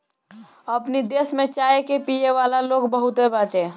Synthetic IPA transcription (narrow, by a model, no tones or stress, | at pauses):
əpnid̪esmet͡ʃaekepijeʋalalokbəɦut̪ebaʈe